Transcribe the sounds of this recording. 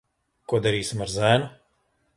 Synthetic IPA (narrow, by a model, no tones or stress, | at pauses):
kuɔd̪aɾiːsimaɾzæːnu